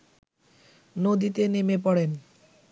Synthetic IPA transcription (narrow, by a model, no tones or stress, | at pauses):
nod̪it̪enemep̬ɔɽen